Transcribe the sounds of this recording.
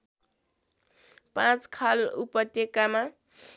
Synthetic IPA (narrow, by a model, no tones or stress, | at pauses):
pãt͡skʰalupʌt̪jekama